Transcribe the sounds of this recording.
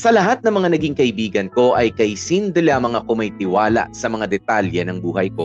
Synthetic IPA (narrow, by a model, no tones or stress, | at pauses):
sɐlɐɦat̪̚nɐŋmɐŋanɐɡiŋkɐʔɪbiːɡɐnko̞ʔɐjkɐjsind̪ɪlamɐŋakʊmɐjt̪ɪwaːla̰ʔsɐmɐŋad̪ɛt̪aljɐnɐŋbuːhɐjko̞